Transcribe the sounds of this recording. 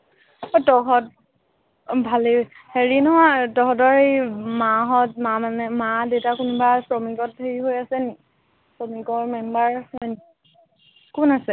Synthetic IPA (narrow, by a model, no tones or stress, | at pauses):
ɔtɔɦɔt̚ | bʱale | heɹinɔɦwatɔɦɔtɔɹejmaɦɔt̚mamanɛmadewtakunbasɹɔmiɡɔt̚ːeɹiɦojasɛni | sɹɔmiɡɔɹmɛmbaɹɔjni | kunasɛ